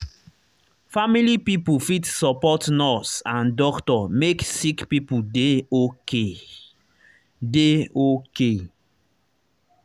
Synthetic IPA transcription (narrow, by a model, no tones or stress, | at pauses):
familipipufitsɔpɔtnɔsãndɔktɔmeksikpipudeoke | deoke